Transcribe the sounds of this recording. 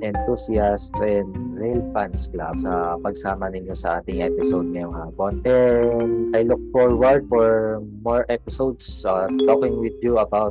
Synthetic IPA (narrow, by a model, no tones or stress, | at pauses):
ʔɛnt̪usiast̪ɛnɹɛlfanskla̰bsɐpɐɡsaːmɐnɪɲjosɐʔaːt̪ɪŋʔɛpɪsowd̪̚ŋɐjoŋhaːponʔɛnʔajlʊk̚fɔɹwɐɹd̪̚fɔɹmɔɹʔɛpɪsowd̪sat̪oːkɪŋwɪd̪juɐbawt̪